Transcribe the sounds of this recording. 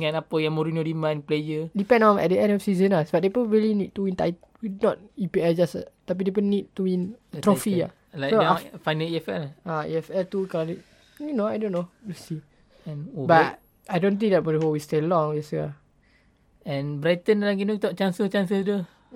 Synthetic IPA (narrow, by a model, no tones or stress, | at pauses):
ŋãnapəjãŋmoɾinodimãnplejədipɛ̃nɔ̃nɛ̰t̚dəɛ̃ndɔfsizə̃nasbaʔ̚depɾɔbabilinid̚tuwĩnt̪a̰j | widnɔt̚ipiɛld͡ʒasa̰t̪ap̬idepənid̚tuwĩnt̪ɾofia̰ | asfajnəliɛfɛlaḭɛfɛlt̪ukalanit̚ | junoajdõnːojusi | bat | ajdõnt̪̬ĩŋdɛt̚mɔdəɦowistelɔ̃ŋjɛsəa | ɛ̃nbɾajt̪ənlaŋɡinut̪ɔʔt͡ʃãnsət͡ʃansəldə